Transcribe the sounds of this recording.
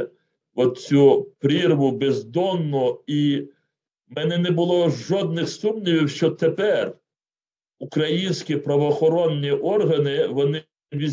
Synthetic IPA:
ɔt̪̚t͡sʲupɾʲirʋʊbezd̪ɔnːʊi | mɛnɛnɛbʊlˠɔʒɔd̪nɪxsumnʲiʋʲiwʃt͡ʃɔt̪epɛr | ukɾɐjinʲsʲkʲipɾɐʋɔːxɔɾɔnːʲiʔɔrɦɐnɪʋɔnɪ | ʋʲiz

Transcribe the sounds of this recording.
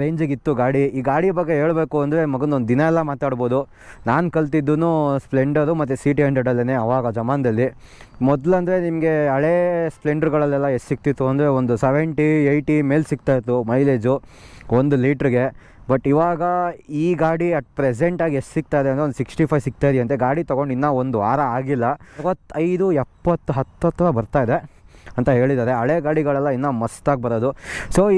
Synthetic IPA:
ɾeːɲd͡ʒɐɡit̪ːuɡaːɽiiːɡaːɽibɐɡːeɦe̞ːɭbe̞ːkuɐnd̪ɐɾe̞mɐɡɐnd̪ond̪ud̪inɐɛlːɐmaːt̪aːɽboːd̪u | naːnkɐɭt̪̬id̪ːunuspleɳɖɐɾumɐt̪̬ːusiːʈiɐɳɖɐɖɐlːɐneɐʋaːɡɐd͡ʒɐmaːnɐd̪ɐlːi | mɔd̪lɐnd̪ɐɾe̞nimɐɡe̞ɐɭespɭeɳɖɐɾɡɐɭɐlːɛlːɐessik̚t̪it̪ːuɐnd̪ɐɾe̞ond̪useʋeɳʈiejʈime̞ːlsik̚t̪aːjt̪ːumɐjleːd͡ʒuond̪uliːʈɐɾiɡe̞ | bɐʈːiʋaːɡɐiːɡaːɽiɐʈpɾes̬eɳʈaːɡiessik̚t̪aːid̪eɐnt̪ɾeond̪usiksʈipʰɐjʋsik̚t̪aːjd̪iɐnt̪eɡaːɽit̪ɐɡo̞ɳɖinːɐond̪uʋa̰ːɾɐaːɡilːɐʋɐt̪ːɐjd̪uɛpːɐt̪ːuɦɐt̪ːɐt̪ːɐɾɐbɐɾt̪aːjd̪eɐnt̪ɐɦe̞ːɭid̪aːɾe̞ɐɭeɡaːɽiɡɐɭɛlːɐinːɐmɐst̪aːɡ̚bɐɾoːd̪usoː

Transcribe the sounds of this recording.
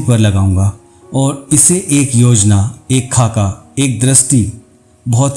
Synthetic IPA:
pɐɾlɐɡaːũːŋ̆ɡa | ɔːɾɪseʔeːkjoːd͡ʒnaeːkʰːaːkaeːk̚d̪ɾɪsʈi | bɔːt̪

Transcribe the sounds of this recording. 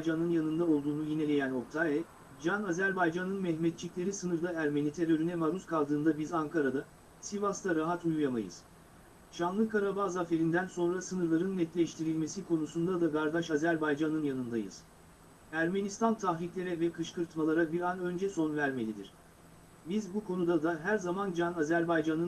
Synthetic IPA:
d͡ʒanɯnjanɯnd̪ao̞lˠd̪uːnujine̞lʲe̞jæno̞p̚t̪ʰaːɛ | d͡ʒanazæɾbajd͡ʒanɯnmɛçmɛt̪̚t͡ʃʰiclʲe̞ɾisɯnɯɾd̪aæɾmenit̪ʰeɾø̞ɾynɛmaɾuskʰalˠd̪ɯːnd̪abizaŋkʰaɾad̪a | sivast̪ʰaɾaɦat̪ujujamajɯ̰z̥ | ʃanlˠɯkaɾabazafe̞ɾind̪ænso̞nɾasɯnɯɾlˠaɾɯnːɛt̪lʲɛʃt̪ʰiɾilʲme̞sikʰo̞nusund̪ad̪akaɾd̪aʃazæɾbajd͡ʒanɯnjanɯnd̪ajɯ̰z̥ | æɾme̞nist̪ʰant̪ʰaxɾiclʲe̞ɾɛvɛkʰɯʃkɯɾt̪malˠaɾabiɾanø̞nd͡ʒɛso̞nvæɾme̞lʲid̪ḭɾ̥ | bizbukʰo̞nud̪ad̪aɦæɾzamand͡ʒanazæɾbajd͡ʒanɯn

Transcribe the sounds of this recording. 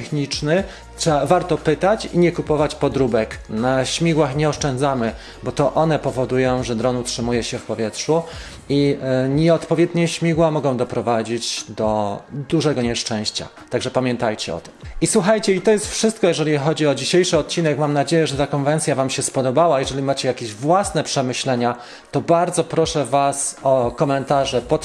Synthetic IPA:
xɲit͡ʂnɘ | tʂɛavaɾt̪ɔpɘt̪at͡ɕḭɲɛkupɔvat͡ɕpɔd̪ɾubɛknaɕmʲiɡwaxɲɛɔʂt͡ʂɛnd̪zamɘ | bɔt̪ɔʔɔnɛpɔvɔd̪ujɔ̃w̃ʐɛd̪ɾɔnutʂɘmujɛɕɛfpɔvʲjɛtʂu | iɲɛɔt̪pɔvʲjɛd̪ɲɛɕmʲiɡwamɔɡɔ̃w̃d̪ɔpɾɔvad͡ʑid͡ʑd̪ɔd̪uʐɛɡɔɲɛʂt͡ʂɛ̃w̃ɕt͡ɕa̰t̪aɡʐɛpamʲjɛnt̪ajt͡ɕɛɔ̰t̪ɘ̥miswuxajt͡ɕɛit̪ɔjɛst̪fʂɘst̪̚kɔjɛʐɛlʲixɔd͡ʑiɔd͡ʑiɕejʂɘɔt̪̚t͡ɕːinɛkmamnad͡ʑejɛʐɛt̪akɔnvɛnt̪sʲjavamɕɛspɔd̪ɔbawajɛʐɛlʲimat͡ɕɛjakʲeʑvwasnɛpʂɛmɘɕlɛɲa | t̪ɔbaɾd̪zɔpɾɔʂɛvasɔkɔmɛnt̪aʐɛpɔt̪

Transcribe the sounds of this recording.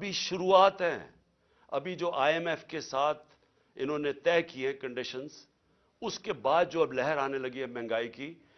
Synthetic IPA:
ɐbʱiʃʊɾuːaːt̪ɦɛ̃ː | ɐ̰bʱid͡ʒoːʔaːemɛfkesaːt̪ʰ | ɪ̰nɦõːnet̪ɛːkieɦɛ̃kɐ̃ɳɖɪʃənz | ʊskebaːd̪̚d͡ʒoːɐblɛɦəɾaːnelɐɡiɦɛmɛ̃ːŋɡaːikiː

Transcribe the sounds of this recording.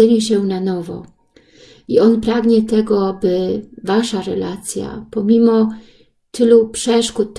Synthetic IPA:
ɛɲɛɕɛnanɔvɔ̰ | iɔnpɾaɡɲɛt̪ɛɡɔbɘvaʂaɾɛ̰lat̪sʲja̰pɔmʲimɔ | t̪ɘlupʂɛʂkut̪̚ː

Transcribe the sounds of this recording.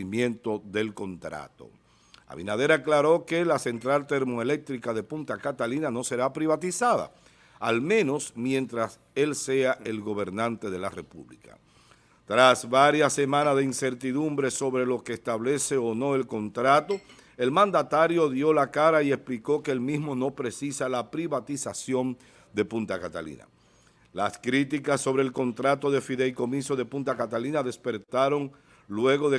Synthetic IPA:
imjẽ̞nt̪o̞ðe̞lko̞nt̪ɾa̰t̪o̰ | a̰βḭnað̞e̞ɾaːklaɾo̞ke̞lase̞nt̪ɾalt̪eɾmoele̞k̚t̪ɾikaðepunt̪akat̪alinano̞se̞ɾapɾiβat̪isaða̰ | almẽ̞no̞smje̞nt̪ɾas | e̞lse̞aʔe̞lɣo̞β̞e̞ɾnãnt̪e̞ðe̞la̰repṵβlḭka̰ | t̪ɾasβaɾjasːe̞mãnazðeinse̞ɾt̪iðumbɾe̞soβɾe̞lo̞keːst̪aβle̞se̞ono̞e̞lko̞nt̪ɾat̪o̞ | e̞lmãnd̪at̪aɾjo̞ðjo̞lakaɾaie̞spliko̞ke̞ːlmizmo̞no̞pɾe̞sisalapɾiβat̪isasjo̞n | d̪e̞punt̪akat̪a̰lḭna̰ | laskɾit̪ikasːo̞βɾe̞ːlko̞nt̪ɾat̪o̞ðe̞fiðelko̞mĩsoðe̞punt̪akat̪alinaðe̞spe̞ɾt̪aɾo̞ŋ | lwe̞ɣo̞ðe

